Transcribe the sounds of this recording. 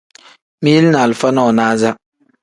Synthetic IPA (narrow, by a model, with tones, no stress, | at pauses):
mi˦ji˦lnaː˨lfa˦na˦ɔ˨naː˦za˦